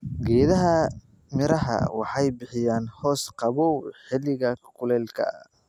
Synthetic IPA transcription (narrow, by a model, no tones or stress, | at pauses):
ɡɛːðɐɦɐ | mɪɾɐɦɐ̰wɑħɑjbɪħɪjaːnhɔːsqɑβɔwħɪlːɪɣɐkʰʊlɛːlkʰɐ̰